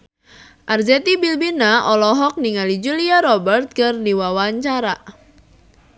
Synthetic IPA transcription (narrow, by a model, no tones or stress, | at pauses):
ʔard͡ʒɛt̪ibilbinaʔɔlɔɦɔk̚niŋalid͡ʒuliaɾɔbɛrt̪̚kɨrdiwawaɲt͡ʃaɾa